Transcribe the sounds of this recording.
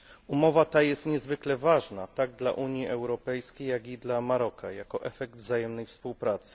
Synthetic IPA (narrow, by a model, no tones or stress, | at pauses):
umɔvat̪ajɛst̪ɲɛzvɘklɛvaʐnat̪aɡ̚d̪la̰ʔuɲjiʔɛwɾɔpɛjskʲejːaɡid̪lamaɾɔkʰajakɔʔɛfɛɡ̚d̪vzajɛmnɛjfspuwpɾat̪sɘ̥